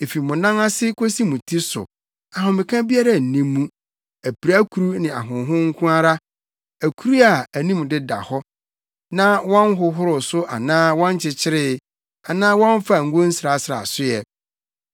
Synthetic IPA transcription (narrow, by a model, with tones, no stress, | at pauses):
e˨fi˨mʊ̃˨nã˦ŋa˦sɪ˦kʰo˦si˦mũ˨tʰi˦sʊ̰˨ | a˨ɦʊ̃˨mɪ̃˨kʰã˦bi˦a˦ɾa˨n̩˨nĩː˦ũ˦ | æ˨pʰi˨ɾa˦kʰu˨ɾu˦nɪ̃˨a̰˨ɦʊ̃˨˦ɦʊ̃˦ŋ̩˦kʰʊ̃˦a˦ɾa˦ | æ˨kʰu˦ɾu˦a˨æ˨nĩ˦m̃˨dɪ˦da̰˨hɔ˦ | nã˦wɔ̃˦nɦʊ˨ɦʊ˦ɾʊ˨sʊ˦ʔa̰˨nãː˦wɔ̃˦n˦t͡ɕʰɪ˨t͡ɕʰɪ˦ɾɪ˦ | a˨nãː˦wɔ̃˦ɱ˦fa˨ŋ̩˨ɡo˦n̩˦sɾa˨sɾa̰˨sʊ˦jɛ˨